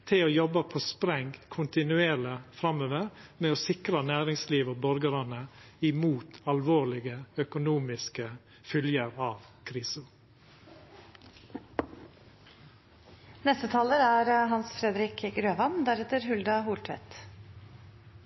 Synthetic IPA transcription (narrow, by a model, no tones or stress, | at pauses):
t̪ʰɪloːjɔbəpʰoːspɾɛŋkʰʊnt̪ɪnʉeːləfɾɑmøːʋəɾmeːoːsɪkɾənæːɾɪŋsliːʋoːbɔɾɡəɾɑnə | ɪmuːt̪ɑlʋoːlɪɡəœkʊnuːmɪskə | fʏljəɾɑːʋkʰɾiːsʊ | nɛst̪ət̪ʰɑːləɾæɾɦɑnsfɾɛd̪ɾɪkɡɾøːʋɑnd̪æɾɛt̪əɾɦʉld̪ɑɦuːlʈ̪ʰʋɛ̰t̪